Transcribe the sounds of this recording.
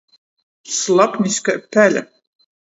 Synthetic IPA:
slˠapniskapʰːælʲa̰

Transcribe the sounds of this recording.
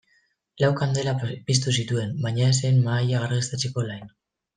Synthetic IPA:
lawkand̪e̞lapis̬t̪us̬it̪ue̞mbajɲaes̬e̞jnmaːjaɣaɾɣest̪at͡seko̞lajn

